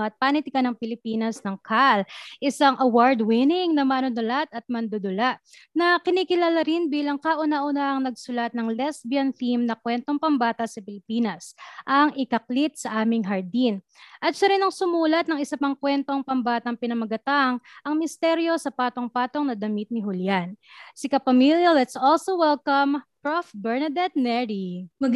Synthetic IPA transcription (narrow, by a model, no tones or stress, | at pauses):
ɐt̪̚paːnɪt̪ɪkɐnɐŋpɪlɪpiːnɐsnɐŋkʰalʔɪsaŋʔɐwaɹd̪wɪnɪŋnɐmaːnʊnʊlat̪ɐt̪̚mɐnd̪od̪ʊlaʔ | nɐkɪniːkɪlaːlɐɾɪnbiːlɐŋkaʔʊnaʔʊnaʔɐŋnɐɡ̚sʊlɐt̪̚nɐŋlɛsbjɐnfimnɐkwɛnt̪o̞ŋpɐmbaːt̪ɐsɐpɪlɪpiːnɐsʔɐŋʔɪkɐklit̪̚sɐʔaːmɪŋɦɐɹd̪in | ʔɐt̪̚ʃɐɾɪnɐŋsʊmuːlɐt̪̚nɐŋɪsɐpɐŋkwɛnt̪o̞ŋpɐmbaːt̪ɐŋpɪnɐmɐɡɐt̪aŋʔɐŋmɪst̪ɛɾjo̞sɐpaːt̪o̞ŋpaːt̪oŋnɐd̪ɐmit̪̚nɪɦʊljansɪkɐpɐmiljɐlɛt̪solsowɛlkɐmpɹofbɛɹnɐd̪ɛd̪̚nɛɹi